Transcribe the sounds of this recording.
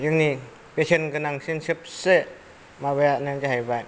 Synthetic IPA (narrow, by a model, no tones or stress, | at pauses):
jɯŋni | pesʰenɡɯnaŋsinsɯp̚se | maβajanend͡ʒeɦajbaj